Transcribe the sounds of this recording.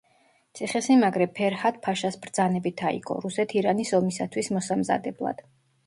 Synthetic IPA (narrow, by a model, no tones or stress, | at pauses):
t̪sʰiχɛsimaɡɾɛpʰɛɾhat̪̚ʰpʰaʃasbɾd̪zanɛbit̪ʰaḭɡʼɔ̰ɾusɛt̪ʰiɾanisɔmisat̪ʰwismɔsamza̰d̪ɛblˠa̰d̪̥